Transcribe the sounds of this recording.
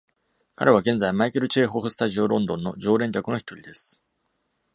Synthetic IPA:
ka̰ɾe̞βaɡẽ̞nd͡zaimaikeɾɯ̟t͡ɕe̞ːɦo̞ɸɯ̟sɨ̥t̪aʑio̞ɾõ̞nd̪õ̞nːo̞d͡ʑo̞ːɾẽ̞ɲd͡ʑʲakɯ̟no̞çi̥t̪o̞ɾʲid̪e̞sɨ̥

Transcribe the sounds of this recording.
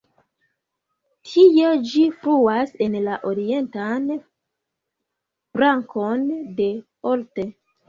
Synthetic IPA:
tʰijed͡ʒifɾuase̞nlaʔoɾie̞ntan | b̥ɾaŋkʰo̞nde̞ | olte

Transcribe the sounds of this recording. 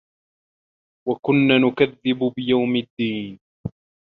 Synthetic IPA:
wakʊnːaːnʊkaðːɪbʊbɪjawmɪd̪ːiːn

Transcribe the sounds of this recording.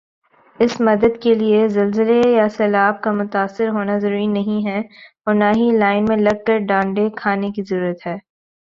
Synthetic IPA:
ɪsmɐd̪əd̪keliezɐlzɪlejasɛːlaːb̚kamʊt̪aːsːɪɾɦoːnazɐɾuːɾinɐɦĩɦɛ | ɔːɾnaɦilaːɪnmẽlɐɡ̚kəɾɖãːɳɖekʰaːnekizɐɾuːɾət̪ɦɛː

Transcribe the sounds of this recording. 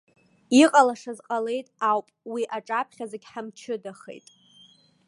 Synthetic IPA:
iqʼalaʂazqʼale̞jtʼawpʼwiʔaʈ͡ʂʼapʰχʲazeɡʲħamt͡ʃʰɪdaχḛjtʼ

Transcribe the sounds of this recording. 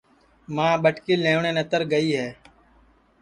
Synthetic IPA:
mãːɓəʈkiːlẽːɳeːnət̪əɾɡəiːɦɛː

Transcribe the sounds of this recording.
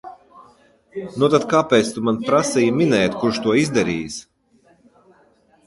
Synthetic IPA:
nut̪at̪̚kaːpɛːt̪st̪umanpɾasijminɛjt̪kuɾʃt̪uɔizd̪ɛɾḭːjs

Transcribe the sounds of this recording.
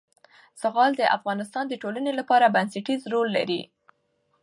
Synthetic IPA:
saɣɑld̪əʔa̰fɣɑnɪst̪ɑnd̪əʈolanelapɑɾabansaʈizɾolːa̰ɾḭ

